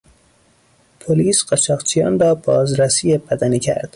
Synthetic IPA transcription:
pʰoliːsɢ̥æʃʰɒːqt͡ʃʰijɑ̰ːnrɒːbɒːzɾæsiːjebæd̪æniːcʰæ̰ɾd̪̥

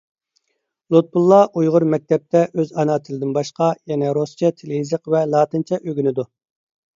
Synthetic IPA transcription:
lˠut̪̚bulˠːɑʔujʁʊɾmɛk̚ʲt̪ʰɛp̚t̪ʰɛʔøzɑnɑːt̪ʰɪlɪd̪ɪnbɑʃqɑjɛnɛɾost͡ʃʰɛt̪ʰelɪizəqvɛlˠɑːt̪ɨnt͡ʃʰɛʔøɡʲynɪd̪u

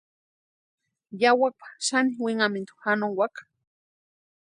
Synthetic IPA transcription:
jawak̚pḁʃaniwiŋamint̪u̥xanoŋwakḁ

